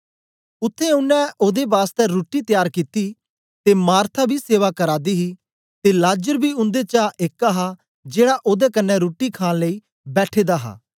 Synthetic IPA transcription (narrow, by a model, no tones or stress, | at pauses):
ʊt̪ʰːeʊnːɛ̃ʔoːd̪ebaːst̪ɛɾoːʈit̪jaːɾkit̪iː | t̪emaːɾt̪ʰabʱiːseːʋakəɾaːd̪iːɦiː | t̪elaːd͡ʒəɾbʱiːʊ̃nd̪et͡ʃaʔeːkaɦa | d͡ʒeːɽaʔoːd̪ekənːɛ̃ɾoːʈːikʰãːnləiː | bɛːʈʰeːd̪aːɦa̰ː